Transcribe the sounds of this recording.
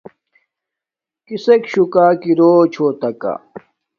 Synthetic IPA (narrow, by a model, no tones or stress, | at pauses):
kisekɕukaːkiɾoːt͡ɕʰoːt̪ɐka̰